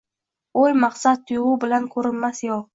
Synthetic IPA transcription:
ojmaqsat̪̚t̪ʰːʊjʁʊbɪlankʰɵɾɪnmasjoq̚

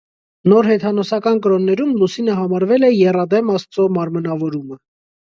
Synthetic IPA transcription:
nɔɾɦɛt̪ʰɑnɔsɑkɑnkəɾɔnːɛɾumlusinəɦɑmɑɾvɛlɛjɛrɑd̪ɛmɑst͡sɔmɑɾmənɑvɔɾumə

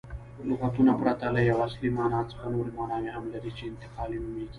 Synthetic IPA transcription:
lʊɣat̪unapɾat̪alajawaslimɑːnɑːt͡sə̥xanoɾimɑːnɑːmeɦamlaɾit͡ʃeɪnt̪ɪqɑːlinumeɡi

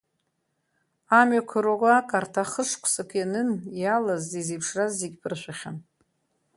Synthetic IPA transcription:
amɥakʷʰaɾaɡʷaakʼartʰaχəʂkʷʰsɨkʰjanɨnjalazdizipʰʂrazːeɡʲbʰɨrʃʷaχʲa̰n

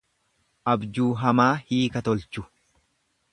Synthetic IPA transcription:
ʔɐbd͡ʒuːɦɐmaːhiːkɐt̪ɔlt͡ʃʊ̥

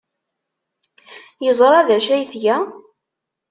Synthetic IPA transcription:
jəzˤɾˤɑðæʃæjθjæ

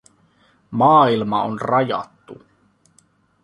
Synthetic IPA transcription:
mɑːilmɑonrɑjɑ̰t̪ːṵ

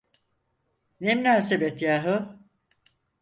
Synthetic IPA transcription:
nemnaːsebet̪jaːɦɯ

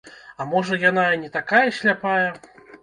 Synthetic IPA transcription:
amɔʐɐjan̪anʲɛt̪akajɐɕʲlʲapajɐ

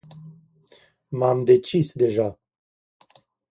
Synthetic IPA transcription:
mamd̪e̞t͡ʃisd̪e̞ʒa

